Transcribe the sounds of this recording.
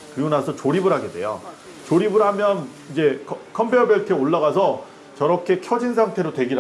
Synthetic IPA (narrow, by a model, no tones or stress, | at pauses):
pujunasʰʌt͡ɕoɾibɯɾɦaɡede̞̰jo̰ | t͡ɕoɾibɯɾɦamjʌn | id͡ʑe̞kʰkʰʌmbeʌbjeɭtʰeoɭːaɣasʰʌ | t͡ɕʌɾʌkʰe̞kʰjʌd͡ʑinsʰaŋtʰe̞ɾotwe̞ɡiɾ